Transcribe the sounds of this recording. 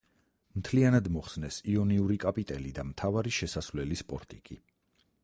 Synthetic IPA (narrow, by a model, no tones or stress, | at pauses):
mt̪ʰlianad̪mɔχsnɛsiɔniuɾikʼapʼit̪ʼɛlid̪amt̪ʰavaɾiʃɛsasvlɛlispʼɔ̰ɾt̪ʼikʼi